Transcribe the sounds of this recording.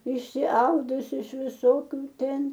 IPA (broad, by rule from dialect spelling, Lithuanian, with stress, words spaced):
ɪʃʲsʲɪˈɐʊdʊsʲɪ ɪʃ ʋʲɪˈsoːkʲʊ ˈtʲɛn